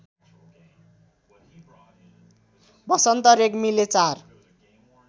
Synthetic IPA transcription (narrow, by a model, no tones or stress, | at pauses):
bʌsʌnt̪ʌɾekmilet͡sar